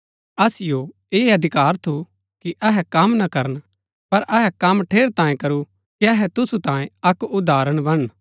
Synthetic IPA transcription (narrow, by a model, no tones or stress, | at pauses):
ɐsɪjo | eːɐd̪ʱɪkaːɾt̪ʰu | kiʔɐɦɛkɐmnɐkɐɾən | pɐɾʔɐɦɛkɐmʈʰeːɾt̪ãːjẽkɐɾu | kiɐɦɛt̪ʊsut̪ãːjẽɐkʊd̪ʱaːɾəɽ̃bɐɽ̃